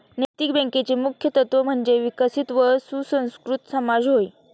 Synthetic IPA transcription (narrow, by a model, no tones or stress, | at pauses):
nəjt̪ikbẽŋket͡ɕemukʰjət̪ət̪ʋəm̤əɳd͡ʑeʋikəsit̪ʋəɾsusə̃w̃skɾut̪səmad͡zɦoj